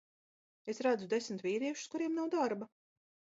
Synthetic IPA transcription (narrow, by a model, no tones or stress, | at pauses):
esɾad̪zud̪esmt̪viːɾiɛʃu̥skuɾiɛmnawd̪aɾba